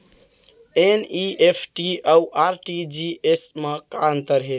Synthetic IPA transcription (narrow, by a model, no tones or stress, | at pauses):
eniʔepʰʈiauʔaɾʈid͡ʒiesmekant̪əɾɦe